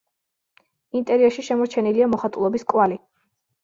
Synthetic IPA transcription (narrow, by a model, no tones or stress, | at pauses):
int̪ʼɛɾiɛʃiʃɛmɔɾt͡ʃʰɛniliamɔχat̪ʼulˠɔbiskʼwali